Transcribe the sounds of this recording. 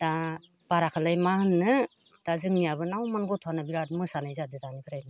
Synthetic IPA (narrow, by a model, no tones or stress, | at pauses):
d̥a | b̥aɾakʰalajmahɯnːɯd̥azɯŋmijabɯnawmanɡɔtʰuanabiɾat̚mɯsanajzadɯdanibʰɯɾajna